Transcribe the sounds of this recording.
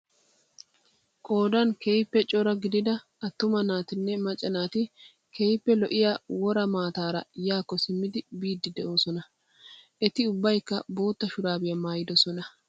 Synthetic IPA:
kʼo̞ːd̪ɐnkejpːɛt͡ʃʼɔɾɐɡɪd̪ɪd̪ɐ | ɐt̪ːʊmɐnaːt̪ɪnːɛmɐt͡ʃʼːɐnaːt̪ɪ | kʰejpːɛlɔʔɪjawɔɾɐmaːt̪aːɾɐ̰jaːkːɔsɪmːɪd̪ɪbiːd̪ːɪd̪ɛʔo̞ːsɔnɐ | ʔɛt̪ɪʊbːɐjkːɐbo̞ːt̪ːɐʃʊɾaːbɪjɐmaːjɪd̪ɔsɔnɐ

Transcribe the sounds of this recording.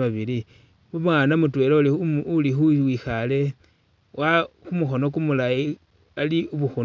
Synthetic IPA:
aβili | βumwanamutwe̞ːloliulixuwixale̞ | waxumuxo̞no̞kumulai | aliuβuxu

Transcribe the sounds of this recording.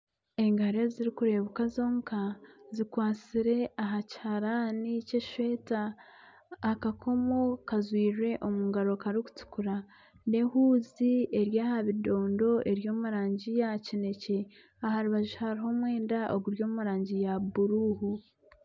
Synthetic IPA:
e̞ŋɡaɾe̞ziɾikuɾe̞βukazo̞ːŋkʰazikwaːt͡siɾe̞aɦachaɾaniceʃwe̞ːtaː | kakʰo̞mokazwiːʒe̞ʔomuŋɡaɾo̞kaɾiku̥tu̥kuɾa | ne̞huːzie̞ɾjaːhaβido̞ːndo̞ʔe̞ɾjo̞ːmuɾaːɲɟijacine̞ce̞ | aɦaɾuβaʒihaɾiɦo̞mwe̞ːndaʔoɡuɾjo̞ːmuɾaːɲɟijabuɾuːhu

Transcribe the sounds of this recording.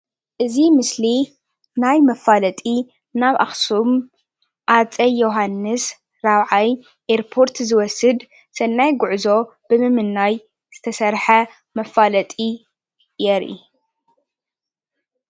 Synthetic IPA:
ʔɨzimɨsli | najmɐfalɐt̪ʼi | naβʔa̰xsum | ʔat͡sʼɐjːoɦanːɨs | ɾaβʕaj | ʔeɾpʰo̞ɾt̪zɨwɔsɨd̪ | sɐnːajɡʊʕzo̞ | bɨmɨmɨnːaj | z̥ɨt̪ʰɐsɐɾħɐ | mɐfalɐt̪ʼi | jɛɾʔḭ

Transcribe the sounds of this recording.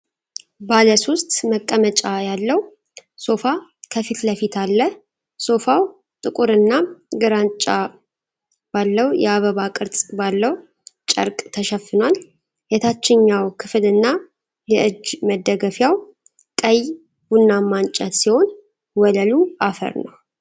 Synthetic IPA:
baləso̞st̪ʼməkʼːəmət͡ʃʼajalːəw | so̞fakʰəfit̪ləfit̪ʰalːəh | so̞faw | t̪ʼɨkʼuɾɨnːaɡɨɾant͡ʃʼa | b̥alːəwjɛ̰aβəβakʼɨɾt͡sʼbalːəw | t͡ʃʼə̰ɾkʼt̪ʰəʃəfːɨnwal | jɛt̪ʰat͡ʃːɪɲːawkʰɨflɨnːa | jɛʔɨd͡ʒməd̪ːəɡəfjaw | kʼəj | bunːamːant͡ʃʼət̪siho̞n | wɔləluʔafə̰ɾnəw

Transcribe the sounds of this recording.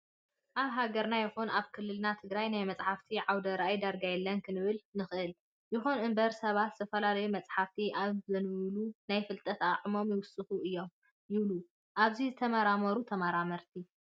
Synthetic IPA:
ʔaβɦaɡɐɾnajɛxunaβkʰɨlːɨlnat̪ʰɨɡɾajnajmɐt͡sʼħaft̪ʰiʕawd̪ɐɾajd̪ɐɾɡajɛlːɐnkʰɨnɨβɨlnɨxʔɨl | jɪxunɨmbɐɾsɐβat̪z̥ɨt̪ʰɐfɐlalɐjumɐt͡sʼħaft̪ʰiʔazɐnɨβlunajfɨlt̪ʼɐt̪aʕmo̞mjɪwʊsʼɨxuɨjːo̞m | jɪβlu | ʔaβzizɨt̪ʰɐmɐɾamɐɾut̪ʰɐmaɾamɐɾt̪ʰi

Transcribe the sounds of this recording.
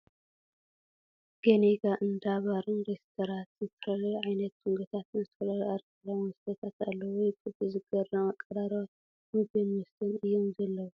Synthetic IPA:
ɡ̥eneɡaʔɨnd̪aβaɾɨnɾest̪ʰoɾant̪zɨt̪ʰɐ̥fɐlɐlʕajnɐt̪̚ːuŋɡɐt̪ʰat̪ɨzɨt̪ʰɐ̥fɐlɐluaɾkɐlamɨst̪ɐt̪ʰat̪alːɐwɔjkʼɨb̪izɨɡɐrɐmakʼːɐɾaɾwa | mɨbenmɨst̪ʰɐnɨjːomzɐlːɐwu

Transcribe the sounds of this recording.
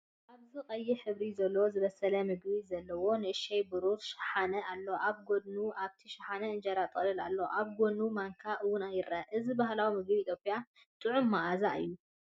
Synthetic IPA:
ʔaβzɨqʼɐjːiħɨβɾizɐlːozɨβɐsɐlɐmɨɡbizɐlːɐwo̞nɨʔɨʃɛjbɨɾuɾʃɪ̥ħanɐʔalːoʔaβɡo̞d̪nuʔaβt̪ʰiʃɪħanɐɨnd͡ʒɐɾat̪ʼɨlɨlalːoo̰ʔaβɡo̞nːumaŋkʰaʔɨwʊnajɪɾʔɐʔɨzibaɦlawimɨɡbiːt̪ʰjopʼja | t̪ʼɨʕʊmːaʔazaʔɨ̰jːu

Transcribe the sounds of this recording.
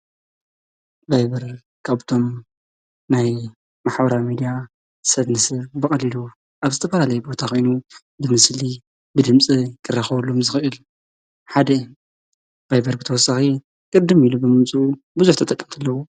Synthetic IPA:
bajbɐɾ | kʰaβt̪ʰo̞m | naj | maħbɐɾawmid̪ija | sɐd̪nɨsɐβbɨkʼɐlilu | ʔaβzɨt̪ʰɐfɐlalɐjbo̞t̪ʰakʰo̞jnu | bɨmɨsli | bɨd̪ɨmt͡sʼikʰɨrːaxɐβɐlːomzɨxɨʔɨl | ħad̪ɐ | b̥ajbɐɾbɨt̪ʰɐwɔsːaxi | kʼɨd̪ːɨmilubɨmɨmt͡sʼu | buzuħt̪ʰɐt̪ʼɐkʼːɐmt̪ʰɨlːɐwu

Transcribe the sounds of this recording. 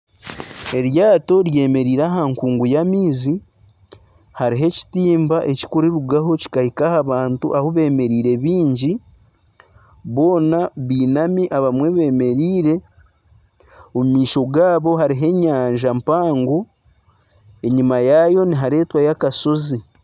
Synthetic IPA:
e̞ɾjaːto̞ɾje̞ːme̞ɾiːɾaɦaŋkuːŋɡujamiːzi | haɾiɦe̞ci̥tiːmbaʔe̞ci̥kuɾiɾuɡaɦo̞ci̥kahikahaβaːntuʔahoβe̞ːme̞ɾiːɾe̞βiːɲɟi | βo̞ːnaβiːnamiʔaβamwe̞βe̞ːme̞ɾiːɾe̞ | omumiːʃo̞ɡaːβo̞ɦaɾiɦe̞ɲaːɲʒampaːŋɡo | e̞ɲimajajo̞niɦaɾe̞ːtwajakaso̞zi

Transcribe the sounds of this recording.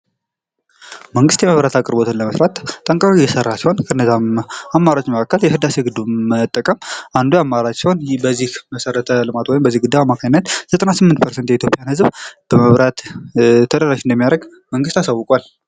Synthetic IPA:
məŋɡɨst̪jɛməβɾat̪ʰakʼɨɾbo̞t̪ʰɨnləməsɾat̪ːʼəŋkʼaɾujɛsərːasiho̞nkʰəɨnːəzaamːaɾot͡ʃʼːməkʰakːəljɛhɨd̪aseɡɨd̪umət̪ʼːəkʼəmʔand̪ujamːaɾat͡ʃːɛwnbəzːihməsəɾət̪ʰəlɨmat̪wɔjɪmbəzːihɡɨd̪ːaamːakʰaɲɪnːət̪z̥ət̪ʼənasɨmːɨnt̪pʰəɾsent̪jɛit̪jopʼjanhɨzbb̥əməβɾat̪t̪ʰːəd̪əɾaʃɨnd̪əmːijaɾəɡ | məŋɡɨst̪asawːʊkʼwal

